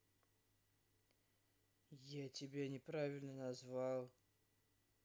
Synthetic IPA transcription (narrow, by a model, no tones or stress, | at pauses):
jatʲɪbʲenʲɪpɾavʲɪlʲnənɐzvalˠ